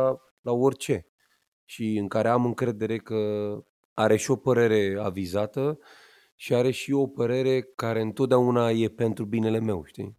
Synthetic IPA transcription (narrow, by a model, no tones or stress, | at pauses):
lao̞rʲt͡ʃe̞ | ʃiɨŋkaɾe̞amɨŋkɾe̞d̪e̞ɾe̞kə | aɾe̞ʃio̞pəɾe̞ɾe̞avizat̪ə | ʃiaɾe̞ʃio̞pəɾe̞ɾe̞kaɾe̞ɨnt̪ot̪̚d̪aunaje̞pe̞nt̪ɾubine̞le̞me̞wʃt̪ḭ